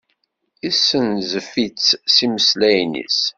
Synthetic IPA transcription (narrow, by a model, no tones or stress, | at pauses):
isənzəfit͡sːsiməslæjnḭs